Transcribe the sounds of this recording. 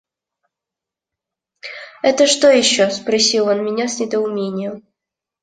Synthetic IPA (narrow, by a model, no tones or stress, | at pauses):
ɛt̪əʂt̪ojɪɕːospɾɐsʲilˠonmʲɪnʲasʲnʲɪd̪əʊmʲenʲɪjəm